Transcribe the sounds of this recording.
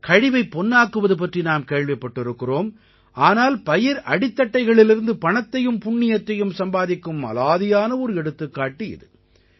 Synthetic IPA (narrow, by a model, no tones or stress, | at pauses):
kɐɻɪʋɐɪpːɔnːaːkːɯʋɐðɯp̬ɐʈrinaːmkeːɭʋɐpːɐʈːɪɾɯkːɪroːm | ʔaːnaːlpɐjɪɾʔɐɽɪt̪ːɐʈːɐɪɣɐɭɪlɪɾɯnd̪ɯpɐɳɐt̪ːɐjɯmpʊɳːɪjɐt̪ːɐjɯmsɐmbaːðɪkːɯmɐ̰laːðɪjaːnɐɔɾɯɛɽɯt̪ːɯkːaːʈːiɪ̰ðɯ